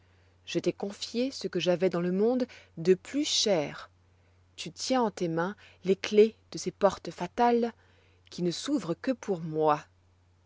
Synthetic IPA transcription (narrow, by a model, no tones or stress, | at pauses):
ʒ̥ət̪ɛkɔ̃fjesəkəʒavɛd̪ɑ̃ləmɔ̃d̪ːəplyʃɛːʁ | t̪yt̪jɛ̃ɑ̃t̪emɛ̃ | lekled̪̥əsepɔʁt̪fat̪al | kʲʰinəsuvʁəkəpʰuʁmwa